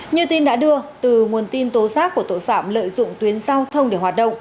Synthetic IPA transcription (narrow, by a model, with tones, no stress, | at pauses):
ɲɨ˧t̪i˧nɗa̰ː˧˥ɗɨ˧ət̪ɨ˨˩ŋu˨˩ənt̪i˧nt̪o˨˦zaː˦˥k̚ku˧˩ət̪o̰˧˨jfaː˧˩mlə̰ː˧˨jzʊ̰˧˨ŋ͡mt̪wi˨˦ənzaː˧wt̪ʰə˧wŋ͡mɗe˧˩hwaː˨˩t̚ɗə̰˧˨wŋ͡m